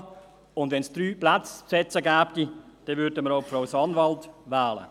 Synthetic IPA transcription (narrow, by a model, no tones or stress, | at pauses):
ʊndʋɛnsd̪̥ɾyːplat͡spsɛt͡səɡæːbɡ̥id̥ɛʋʏɾdəməɾoʊpfɾaʊsɑnʋɑltʋɛːlə̰